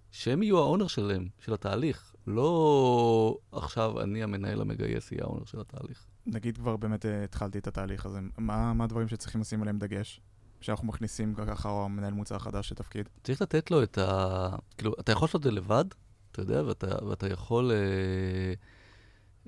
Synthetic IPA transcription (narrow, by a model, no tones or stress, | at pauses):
ʃeemijuao̞ne̞ʁʃelemʃe̞lhataːliχ | lo̞ | a̰χʃava̰niame̞naʔe̞̰la̰me̞ɡa̰jḛsḭja̰ʔo̞̰ne̞ʁʃelata̰ːliχ | naɡid̪kvaʁbeːmet̪eit̪χalt̪iet̪at̪aːliχazemamaːd̪vaʁimʃet͡sʁiχimlasimaleemd̪aɡe̞ʃ | ʃeanaχnumaχnisimkokaχamenaelmut͡saχadaʃlet̪afkidtt͡saʁiχlat̪e̞tlo̞etakiːluʔat̪ajaχolsotzelevad | at̪ajo̞d̪eaveata̰veatajaχo̞le